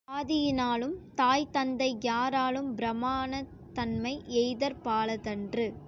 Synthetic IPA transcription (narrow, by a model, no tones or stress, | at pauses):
aːðɪjɪnaːlɯmt̪aːjt̪ɐnd̪ɐɪjaːɾaːlɯmbɪɾɐmːaːnɐ | t̪ɐnmɐɪʔɛjðɐɾpaːlɐðɐndrɯ